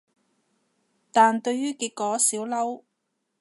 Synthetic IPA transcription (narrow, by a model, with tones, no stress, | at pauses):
t̪aː˨nt̪ɵ˧ɥjyː˥kiː˧t̚kɔː˨˥siː˨˥wlɐ˥w